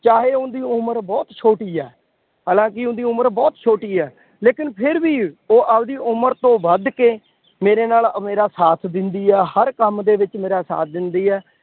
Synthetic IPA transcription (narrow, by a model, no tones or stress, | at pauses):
t͡ʃaːɦeːʊnd̪iːʊməɾbɔːt̪t͡ʃʰoːʈiːɛː | ɦaːlãːkɪʊ̃nd̪iːʊməɾbɔːt̪t͡ʃʰoːʈiːɛː | leːkɪnpʰɪɾbiːoːʔəbd̪iːʔʊməɾt̪õːbəd̪keː | meːɾeːnaːlmeːɾaːsaːt̪ʰd̪ɪnd̪iːɛːhəɾkəmd̪eːʋɪt͡ʃmeːɾaːsa̰ːt̪ʰd̪ɪnd̪iːɛː